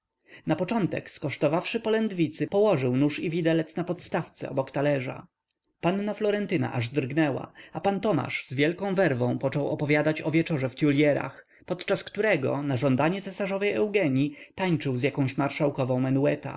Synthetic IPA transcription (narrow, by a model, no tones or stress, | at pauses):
napɔt͡ʂɔnt̪ɛ̰kskɔʂt̪ɔvafʂɘpɔlɛnd̪vʲit̪sɘpɔwɔʐɘwnuʂivʲid̪ɛlɛt̪snapɔt̪st̪aft̪sɛ̰ɔ̰bɔkt̪alɛʐa̰ | panːaflɔɾɛnt̪ɘna̰ʔaʐd̪rɡnɛwa̰apant̪ɔma̰ʐzvʲjɛlkɔ̃w̃vɛɾvɔ̃w̃pɔt͡ʂɔwɔpɔvʲjad̪at͡ɕɔvʲjɛt͡ʂɔʐɛft̪ʲjulʲjɛɾa̰x | pɔt̪t͡ʂaskt̪uɾɛɡɔ̰naʐɔnd̪aɲɛtsɛsaʐɔvɛjɛwɡɛɲit̪aɲt͡ʂɘwzʲjakɔ̃w̃ɕmaɾʂawkɔvɔ̃w̃mɛnuɛt̪a̰